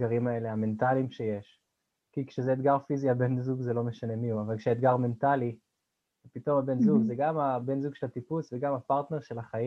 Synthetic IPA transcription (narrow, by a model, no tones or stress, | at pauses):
ɡaʁimae̞le̞ɦame̞ntalimʃeje̞ʃ | kikʃezeːt̪ɡaʁfiziabe̞nzuɡzelo̞me̞ʃane̞miuavalkʃeet̪̚ɡaʁme̞nt̪ali | vepito̞mabe̞nzuɡzeɡamabe̞nzuɡʃelat̪ipusveɡamapaʁt̪ne̞ʁʃe̞laχai